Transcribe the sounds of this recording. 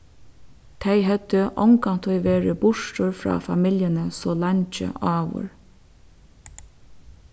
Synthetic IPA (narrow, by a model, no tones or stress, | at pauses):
t̪ʰæɪɦœd̪̥əʔɔŋkɑnt̪ʰɔʏʋeːɹəbʊʃʈɔɹfɹɑ̰ːfɑ̰mɪljənəsoːlɑɲt͡ʃə̰ʔɑːʋʊ̰ɹ